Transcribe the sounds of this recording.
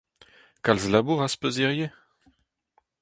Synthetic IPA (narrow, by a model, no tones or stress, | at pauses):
kalzlabuʁaspøziʁje